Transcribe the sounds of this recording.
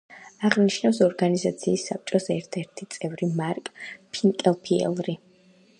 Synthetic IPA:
aʁniʃnafsɔɾɡanizat̪sʰiːsːap̚t͡ʃʼɔsɛɾt̪ʰɛɾt̪ʰit̪sʼɛvɾimaɾkʼpʰiŋkʼɛlˠpʰiɛ̰lˠɾi

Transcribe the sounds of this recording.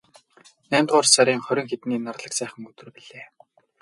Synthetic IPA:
næːmʲt̪ʁʊːrsaɾʲiːŋχœɾʲɪ̆ŋxet̪niːnarɮə̆ksæːχə̆ŋɵt̪ɘ̆rpiɮeː

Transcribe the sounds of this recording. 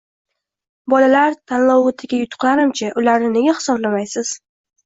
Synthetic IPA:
bɒlalaɾt̪ʰanlɒwʊt̪ʰɪɡʲajʊt̪ʰʊ̥qlaɾɪmt͡ʃʰaʔʊlaɾnɪne̞ɡʲahɪ̥sɒblamajsɪz̥

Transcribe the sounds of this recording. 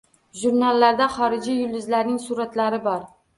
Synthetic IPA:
ʒuɾnalːaɾd̪aχɒɾɪd͡ʒijʊld̪ɪzlaɾnɪŋsuɾat̪laɾɪbɒɾ

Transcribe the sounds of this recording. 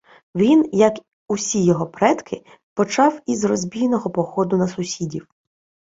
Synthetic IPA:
ʋʲinjɐk | usʲijɔɦɔpɾɛd̪kʰɪ | pɔt͡ʃɑwizrɔzʲbʲijnɔɦɔpɔxɔd̪ʊnɐsʊsʲidʲiw

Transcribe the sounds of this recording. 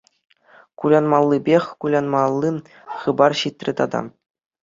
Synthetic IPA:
kulʲɑnmɑlˠːɯbʲexʲkulʲɑnmɑlˠːɯ | χɯbɑrɕit̪ʲrʲɘ̆t̪ɑd̪ɑ̰

